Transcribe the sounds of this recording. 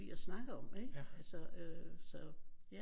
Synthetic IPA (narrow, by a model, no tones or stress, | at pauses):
ḭɐsnɑ̈ɡ̥əɒ̽meɡ̥ælsɒøsɒjæ